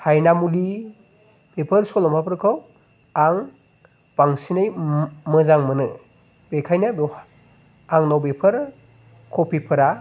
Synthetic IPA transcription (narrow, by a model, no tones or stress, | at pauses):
hajnamuli | b̥epʰɯɾsɔlɔmapʰɯɾkʰaw | aŋ | baŋsinɯjmɯzaŋmɯnɯ | bekʰajnɯb | aŋnawbepʰɯɾ | kʰɔpʰipʰɯɾa